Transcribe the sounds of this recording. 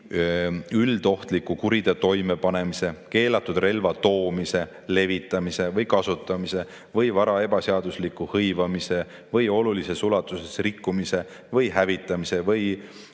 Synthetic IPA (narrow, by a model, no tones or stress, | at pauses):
yld̪o̞ht̪likukuɾid̪̥et̪o̞jme̞pɑne̞mise̞ke̞ːlɑt̪ːˑud̪re̞lvɑt̪o̞ːmise̞ | le̞vit̪ːˑɑmise̞vɤjkɑsut̪ːˑɑmise̞ | vɤjvɑɾɑe̞b̥ɑseɑd̪uslikːuhɤjvɑmise̞ | vɤjo̞lulise̞sulɑt̪ːˑuse̞srikːˑumise̞ | vɤjɦævit̪ːˑɑmise̞vɤj